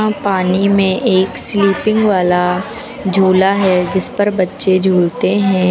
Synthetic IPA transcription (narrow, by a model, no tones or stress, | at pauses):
ãpaːnimẽʔeːksliːpɪ̃ŋɡʋaːla | d͡ʒʱuːlaɦɛd͡ʒɪspɐɾbɐtːʃed͡ʒʱuːlt̪eɦɛ̃ː